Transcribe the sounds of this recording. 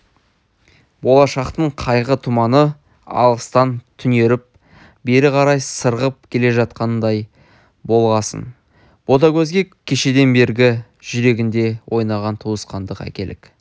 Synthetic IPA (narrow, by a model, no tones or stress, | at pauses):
bo̞lˠɑʃɑqt̪əɴqʰɑjʁət̪ʰʊmɑnə | ɑ̰lˠʁəst̪ɑnt̪ʰʏne̞ɾɪp̚ | be̞ɾɪqʰɑɾɑjsəɾʁəp̚kʲʰe̞le̞ʒɑt̪̚qɑnənd̪ɑj | bo̞lˠʁɑsə̰n | b̥o̞t̪̬ɑkʲʰɵzɡʲe̞kʲʰːeʃe̞d̪e̞nbe̞ɾɡʲɪ | ʒ̥ʏɾe̞ɡʲɪnd̪e̞wʔo̞jnɑʁɑnt̪ʰuwəsqɑnd̪əqæ̰kʲe̞lɪ̰k